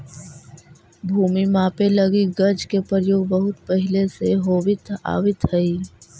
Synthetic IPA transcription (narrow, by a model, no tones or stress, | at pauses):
bʱuːmimãːpelɐɡiɡɐɾd͡ʒkepəɾjoːɡbəɦʊt̪pəɦɪleseɦoːwɪt̪a̰ːʋɪt̪ɦɐiː